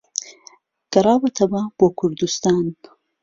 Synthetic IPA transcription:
ɡ̥ɐɾˤɑːwɐt̪ʰɐbɐb̥oːkʰʊɾd̪ust̪ɑːn

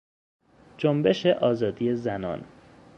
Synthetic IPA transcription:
d͡ʒombe̞ʃeʔɒːzɒːd̪ije̞zænɒ̰ːn

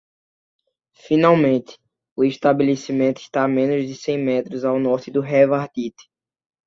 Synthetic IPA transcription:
fĩnawmẽnt̪ɪ̥ | ʊiʃt̪abelesimẽnt̪ʊiʃt̪amẽnʊzd̪ɪsẽj̃mɛt̪ɾʊzawnɔɾt͡ʃ̪ɪd̪ʊɦɛvaɾd̪it̪ɪ̥

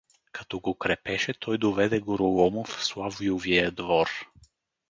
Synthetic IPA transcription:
kat̪ɔɡokɾɛpɛʃɛt̪ʰɔjd̪ovɛd̪ɛɡoɾolˠɔmʊfslˠavijoviəd̪vɔɾ

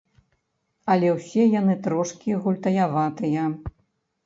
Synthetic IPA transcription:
ɐlʲɛwsʲɛjanɨt̪ɾɔʂkʲiɣulʲt̪ɐjavat̪ɨjɐ

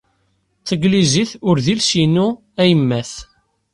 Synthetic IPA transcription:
t͡sːəɡliziθʊɾðilsinu | æjəmːæθ

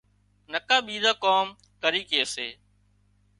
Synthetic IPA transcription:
nəkaːɓiːd̪aːkoːm | kəɾiːkeːseː

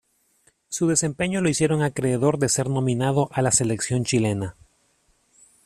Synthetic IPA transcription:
suðe̞se̞mpe̞ɲo̞lo̞isje̞ɾo̞ŋakɾe̞ːðo̞ɾðe̞se̞ɾno̞mĩnað̞o̞ʔalase̞le̞ksjo̞nt͡ʃile̞na

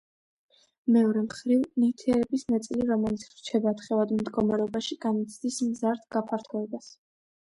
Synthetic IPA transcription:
mɛɔɾɛmχɾivnit̪ʰɛɛɾɛbismɛt̪sʼliɾɔmɛlit̪sʰɾt͡ʃʰɛbat̪χɛvad̪md̪ɡɔmaɾɛɔbaʃiɡanit̪sʰd̪ismzaɾd̪ɡapʰaɾt̪ʰɔɛbas

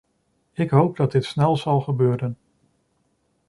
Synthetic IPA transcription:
ɪkɦowp̚dɑd̚dɪtsnɛlˠz̥ɑlˠχəbøːɾən

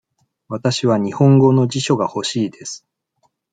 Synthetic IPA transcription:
βat̪aɕiβaɲ̟ihõ̞ŋɡo̞no̞d͡ʑiɕo̞ɡaho̞ɕiːd̪e̞sɨ̥

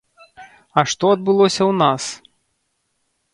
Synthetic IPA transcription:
ɐʂt̪ɔɐd̪̚bɨlˠɔsʲɐwnas

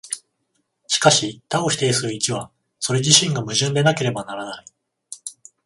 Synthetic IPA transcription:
ɕi̥kaɕit̪ao̞ɕi̥t̪e̞isɨɾɯ̟it͡ɕiβa | so̞ɾe̞ʑiɕĩŋɡamɯ̟ʑɨ̃nd̪e̞nake̞ɾe̞banaɾanai

